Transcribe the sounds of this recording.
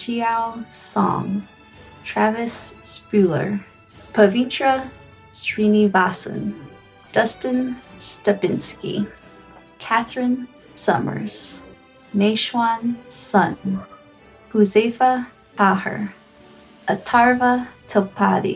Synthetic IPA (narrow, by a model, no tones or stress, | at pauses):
ʃiaʊsɔ̰̃ŋ | tʰɹ̥ævɨsːpʉlˠə̰˞ | pʰəvĩtɹə | sɹinivasɨ̰̃n | d̥ʌstɨ̃nstəbɪ̃nskḭ | kʰæθɹɨ̃n | sʌ̰mə̰˞z̥ | meɪʃwansʌ̃n | huzeɪfə | pʰahə̰˞ | ʔətʰɑɹvətʰəpʰaɾḭ